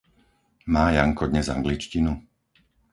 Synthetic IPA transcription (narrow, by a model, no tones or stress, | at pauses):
maːjaŋkɔd̪ɲɛza̰ŋɡlit͡ʃcinu